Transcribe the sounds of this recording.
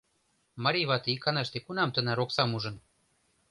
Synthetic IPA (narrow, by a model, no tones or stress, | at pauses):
mɑɾʲijβɑt̪eikɑnɑʃt̪ekunɑmt̪ə̆næɾoksɑmuʒɤ̆n